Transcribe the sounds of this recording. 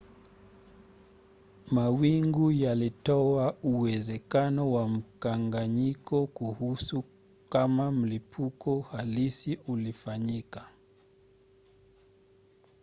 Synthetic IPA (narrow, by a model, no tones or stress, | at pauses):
mawiŋɡujalitɔauwɛzɛkanɔwam̩kaŋɡaɲikɔkuhusu | kamam̩lipʰukɔhalisiʔulifaɲika